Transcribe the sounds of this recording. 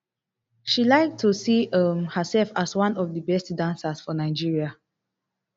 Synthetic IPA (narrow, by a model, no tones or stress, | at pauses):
ʃilaɪk̚tʰusiʌmhəsɛlfaswãnɔfdəbɛstdãnsasfɔnaɪd͡ʒiɹia